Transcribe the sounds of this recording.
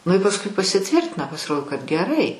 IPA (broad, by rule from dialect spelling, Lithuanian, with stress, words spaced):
nʊ ɪ pɐsˈʊɪ pɐsʲɪˈtʲʋʲɪrʲtʲɪnɐ pɐsʲɪˈroːdoː kɐt ɡʲɛˈrɐɪ